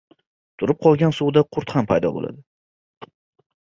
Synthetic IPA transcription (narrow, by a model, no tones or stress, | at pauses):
t̪ʰʊɾɪp̚qʰɒlˠɡʲansuwd̪aqʰʊɾt̪hampʰajd̪ɒ̰bo̰la̰d̪ɪ